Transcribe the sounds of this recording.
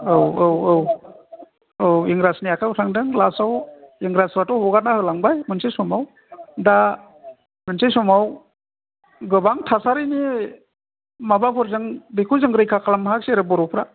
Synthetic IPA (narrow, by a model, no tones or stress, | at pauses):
ɯwɯwɯw | ɯwiŋɡɾasnijakʰautʰaŋdɯŋlasawiŋɾasɾatɔhɔɡat̚nahɯlaŋbajmɯnsʰesɔmaw | da | mɯnsesɔmaw | ɡɯbaŋtʰasaɾɯjni | mabapʰɔɾzɯŋbikʰuzɯŋɡɾɯjkʰakʰalamɦakseɾɯbɔɾɔpʰɾa